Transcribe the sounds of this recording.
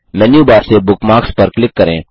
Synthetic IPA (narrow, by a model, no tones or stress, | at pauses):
mɛːnjuːbaːɾsebʊkmaːkspɐɾklɪkːɐɾḛ̃ː